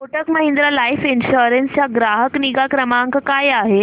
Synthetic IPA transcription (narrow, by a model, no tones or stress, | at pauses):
koʈəkməɦend̪ɾalajfinɕoɾenst͡ɕaɡɾaɦəkniɡakɾəmaŋkkajaɦe